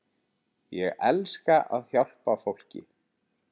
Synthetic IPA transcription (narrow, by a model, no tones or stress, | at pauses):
jɛɣɛlskaʔaðhjawl̥pafowl̥cɪ̰